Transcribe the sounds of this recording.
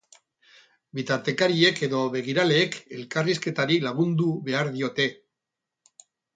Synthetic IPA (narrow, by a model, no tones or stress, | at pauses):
bit̪aɾt̪e̞kaɾie̞ke̞ðo̞βe̞ɣ̞iɾale̞ːke̞lkariske̞t̪aɾilaɣ̞und̪uβe̞aɾðio̞t̪e̞